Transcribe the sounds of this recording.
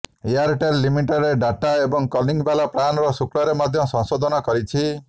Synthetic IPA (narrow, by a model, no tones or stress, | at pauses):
ijaɾʈelːimiʈɔɾeɖaʈaebɔŋkɔliŋbalapɾanɔɾɔsukɽɔɾemad̪ʱjɔsɔ̃ŋsod̪ʱɔnɔkɔɾit͡ʃʰi